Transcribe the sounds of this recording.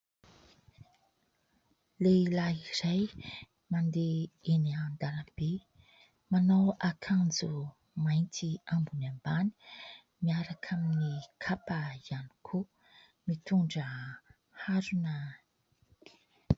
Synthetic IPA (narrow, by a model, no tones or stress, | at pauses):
leilairaj | mand̪eeniand̪alamb̥e | manawakʰand͡zu | majnt̪iambunambani̥ | miaɾakʰaminikʰapəiani̥kʰo | mit̪uɳɖ͡ʐə | haɾunə